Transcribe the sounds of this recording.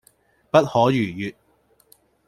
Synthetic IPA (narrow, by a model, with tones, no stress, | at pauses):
pɐ˥t̚hɔː˨˥jyː˨˩jyː˨t̚